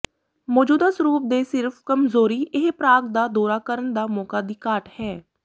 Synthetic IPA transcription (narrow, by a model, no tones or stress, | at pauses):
mɔːd͡ʒuːd̪aːsəɾuːp̚d̪eːsɪɾfʰkəmzoːɾiːʔɪɦpɾaːɡd̪aːd̪ɔːɾaːkəɾənd̪aːmɔːkaːd̪iːkaːʈhɛː